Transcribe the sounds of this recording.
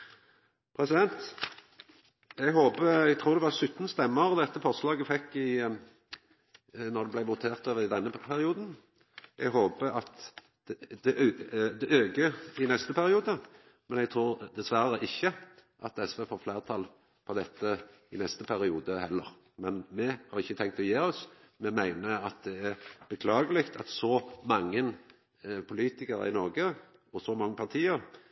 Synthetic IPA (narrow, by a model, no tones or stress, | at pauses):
pʰɾɛsɪd̪ɛnt̪ | ɛɡɦoːpəɛɡt̪ʰɾuːʁd̪ɛʋɑsʉt̪ːn̩st̪ɛmːəʁɔd̪ɛt̪ːəfɔʁslɑːɡəfɛkːɪ | nɔʁd̪ɛblæɪʋʊt̪ʰeːʁt̪øːʋəɾɪd̪ɛnːəpʰæɾɪuːd̪n | ʔɛɡɦoːpəɑt̪ | d̪ɛʔd̪ɛʔøːɡəɪnɛst̪əpʰæɾɪuːd̪ə | mɛnɛɡ̚t̪ʰɾuːɾd̪ɛsʋæɾəʔɪçːəʔɑt̪ɛsʋeːfoːɾfleːʁt̪ʰɑl | pʰɔd̪ɛt̪ʰːə | ɪnɛst̪əpʰæɾɪuːd̪əhɛlːəɾ | mɛnmɛhɑɾɪçːət̪ʰɛŋkt̪ɔjeːɔs | mɛmæɪnəɑt̪̚d̪ɛæʁb̥əkʰlɑːɡəlɪkt̪ʰɑt̪sɔmɑŋːən | pʰʊliːt̪ɪkəɾə̰ɪnɔʁɡə | ɔsɔmɑŋːəpʰɑt̪ʰiːəɾ